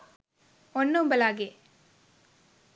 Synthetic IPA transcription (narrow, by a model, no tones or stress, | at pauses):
ɔnːɯmbɐlaːɡe